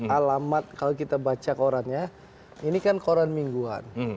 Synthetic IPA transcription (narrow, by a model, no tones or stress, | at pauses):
alamat̪̚kalokit̪abat͡ʃakoɾanja | inikankoɾanmiŋɡua̰n